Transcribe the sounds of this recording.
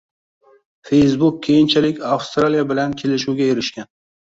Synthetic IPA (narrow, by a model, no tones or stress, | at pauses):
fe̞jsbʊk̚ʲʰːejɪnt͡ʃʰalɪkʲafst̪ɾalijabɪlankʲʰe̞lɪʃuwɡʲajeɾɪʃkʲan